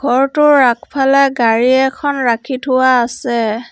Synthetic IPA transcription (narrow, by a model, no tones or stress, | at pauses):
ɡ̥ʱɔɹtʊːakʰpʰalɛɡaɹiɛkʰɔnɹakʰitʰʊwaːsɛ